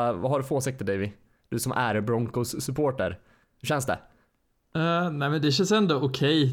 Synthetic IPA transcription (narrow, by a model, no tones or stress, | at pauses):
vaɦaɖɵfoːsɪk̚t̪ʰəd̪ɛjvɪ | d̪̥ɵsɔmʔæɾbɾɔŋkʊsːɵpʰoːʈəɾ | hɵɕɛnsd̪ɛ̰ | næɪmɛnd̪ɛɕɛnsɛnd̪ɔʔʊkʰɛj